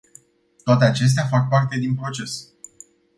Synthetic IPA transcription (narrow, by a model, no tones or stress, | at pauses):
t̪oat̪e̞at͡ʃe̞s̬t̪eafak̚part̪e̞d̪inpɾo̞t͡ʃe̞s